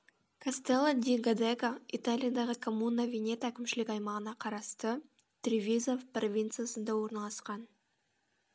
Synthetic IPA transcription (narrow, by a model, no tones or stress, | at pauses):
kʰast̪elˠad̪ʲiɡad̪ekait̪alʲijad̪ɑʁəkʰomunːavʲenʲe̞t̪ækʲɪmʃɪlɪkʲɑjmɑʁənɑqʰɑɾɑst̪ə | t̪ʲɾʲivʲizovpro̞vʲint̪sɨjasənd̪ɑwo̞ɾnɑlˠɑsqɑn